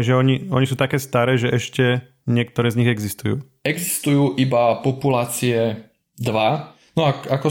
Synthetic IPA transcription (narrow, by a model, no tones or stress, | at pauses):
ʒɛɔɲiɔɲisuːt̪akɛːst̪aɾɛːʒɛʔɛʃcɛ | ɲɪɛk̚t̪ɔɾɛːzɲiɣɛɡzist̪ujṵː | ɛɡzist̪ujuːʔibapɔpulaːt͡siɛ | d̪ʋa | nɔakakɔ